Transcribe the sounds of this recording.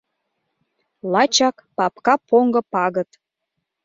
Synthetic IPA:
lɑt͡ɕɑkpɑpkɑpoŋɡɤ̆pɑɣə̆t̪

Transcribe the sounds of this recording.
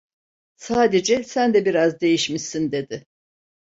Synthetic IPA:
saːd̪ed͡ʒɛsænd̪ɛbiɾazd̪e̞jiʃmiʃsind̪e̞d̪ɪ

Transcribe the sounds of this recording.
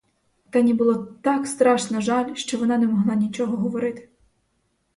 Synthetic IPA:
t̪ɑnʲibʊlˠɔt̪ɑkst̪ɾɑʃnɐʒɑlʲʃt͡ʃɔʋɔnɑnɛmɔɦlˠɑnʲit͡ʃɔɦɔɦɔʋɔɾɪt̪ɪ̥

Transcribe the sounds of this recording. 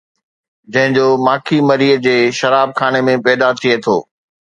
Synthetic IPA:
d͡ʑɐ̃ɦɪ̃ɲd͡ʑoːmaːkʰimɐɾiːd͡ʑeːʃɐɾaːb̚kʰaːñemẽpɛːd̪at̪ʰiet̪ʰo̰ː

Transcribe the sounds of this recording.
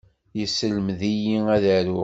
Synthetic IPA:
jəsəlmðijiæðæɾʊ

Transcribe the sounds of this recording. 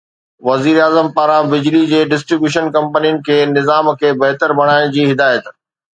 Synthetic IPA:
ʋɐziːɾaːzəmpaːɾãbɪd͡ʑlid͡ʑeːɖɪs̬ʈɾibjuːʃənkɐ̃mpənijʊnɪ̆kʰeːnɪzaːmkʰeːbɐɦt̪əɾbʱɐɽ̃aːɪɽ̃d͡ʑiːɦɪd̪aːjət̪

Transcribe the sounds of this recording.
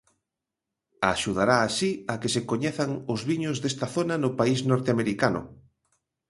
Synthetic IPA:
aʃuð̞aɾaːsiakesekoɲeθaŋʊzβiɲʊzðest̪aθonanʊpaisnɔɾt̪eameɾikanʊ̰

